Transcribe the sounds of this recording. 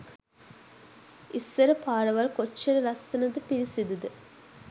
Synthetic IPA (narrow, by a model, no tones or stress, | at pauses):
isːɐɾəpaːɾɐʋɐlkot͡ʃːeɾəlɐsːɐnɐd̪əpiɾisid̪ud̪ə